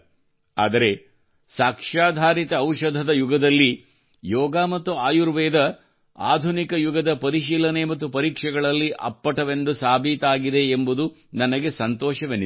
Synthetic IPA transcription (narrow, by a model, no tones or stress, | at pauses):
a̰ːd̪ɐɾe̞ | saːkʂaːd̪ʱaːɾit̪ɐːwʃɐd̪ʱɐd̪ɐjuɡɐd̪ɐlːi | jɔːɡaːmɐt̪ːuaːjuɾʋɛːd̪ɐ | a̰ːd̪ʱunikɐjuɡɐd̪ɐpɐɾiʃiːlɐne̞mɐt̪ːupɐɾiːkʂɛɡɐɭɐlːiʔɐ̰pːɐʈɐʋend̪usaːbʱiːt̪aːɡid̪e̞ːmbud̪u | nɐnɐɡe̞sɐnt̪ɔːʃɐʋenːi